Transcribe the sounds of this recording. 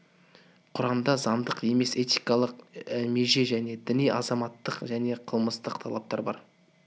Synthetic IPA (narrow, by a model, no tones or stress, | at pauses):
qʰʊɾɑmd̪ɑzɑnd̪əqe̞me̞se̞t̪ijkɑlˠəqme̞ʒe̞ʒæne̞d̪ɪnijɑzɑmɑt̪ːəqʒæne̞qʰəlˠməst̪əqt̪ʰɑlˠɑp̚t̪ɑ̰ɾbɑ̰ɾ